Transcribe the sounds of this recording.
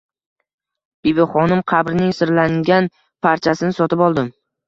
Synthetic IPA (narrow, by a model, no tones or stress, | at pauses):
b̥ibɪχɒnɪmqʰɑbɾɪnɪŋsɪɾlaŋɡʲan | pʰaɾt͡ʃʰasɪnɪsɒt̪ʰɪpɒlˠd̪ɪm